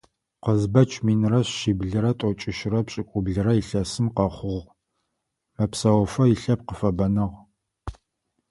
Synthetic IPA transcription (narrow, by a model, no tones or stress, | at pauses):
qəzbɐt͡ʃʰʼmiːnrɐɕːiːbɮɨɾɐtʷʼɔt͡ʃʼɪʃrɐpɕʼɪkʷʼʊbɮɨɾɐiɬɐsɨmqɐχʷʊʁ | mɐpsɐwfɐjɪɬɐp̚qəfɐbɐnɨʁ